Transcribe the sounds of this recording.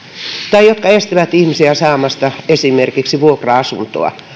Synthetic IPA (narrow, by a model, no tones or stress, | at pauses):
t̪ɑijot̪kɑest̪iʋæt̪ihmisiæsɑːmɑst̪ɑesimerkiksiʋuokrɑɑsunt̪o̰ɑ̰